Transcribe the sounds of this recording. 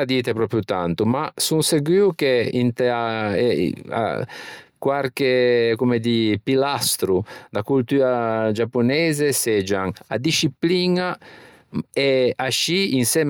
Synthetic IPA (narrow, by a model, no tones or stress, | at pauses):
ad̪iːt̪epɾɔːpɾjut̪ant̪umasunseɡwiːwkeint̪ea̰ | a̰kwaɾk̟ekumed̪ipilast̪ɾud̪akult̪uːɾad͡ʒapːonɛːzesɛd͡ʒaŋa̰d̪iʃipliːna | ɛaʃiinsɛːm